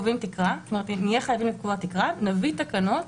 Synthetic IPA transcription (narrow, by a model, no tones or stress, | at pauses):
vimt̪ikʁastomeetnijaχajavimlet̚kuvat̪ikʁanavit̪akano̞t